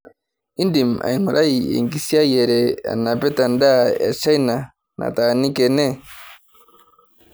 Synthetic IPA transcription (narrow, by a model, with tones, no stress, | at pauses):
i˦ndi˨m˨a̰˨i˨ŋu˨ɾʔa˦i˨ɛ̰˨ŋɡi˨si˦a˦jɛ˨ɾɛ˨a̰˨na˨pɛ˦ta˨nda˦ja̰˨t͡ʃa˦i˦na˨ | nʔa̰˨ta˨ni˦kɛ˨nɛ˦